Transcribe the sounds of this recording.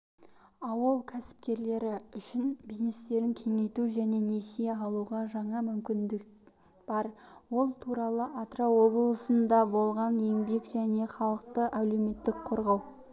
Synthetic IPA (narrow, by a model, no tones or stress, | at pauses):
ɑwəlˠkʲʰæsɪ̥p̚kʲe̞ɾle̞ɾɪʏʃɪnbiznest̪e̞ɾɪŋkʲʰe̞ŋe̞jt̪uʒæne̞nesijeɑlˠuʁɑʒɑɴɑmʏmkʲɪnd̪ɪk̚ | b̥ɑɾwo̞lˠt̪ʰuɾɑlˠəʔat̪rawo̞blˠəsənd̪ɑbo̞lˠʁɑnje̞ŋbe̞kʒ̥æne̞χɑlˠəq̚t̪əʔælume̞t̪ːɪkqʰoɾʁɑw